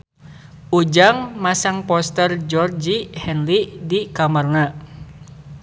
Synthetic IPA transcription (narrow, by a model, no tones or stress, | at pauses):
ud͡ʒaŋmasaŋpɔst̪ərd͡ʒɔrd͡ʒihɛnlidikamarna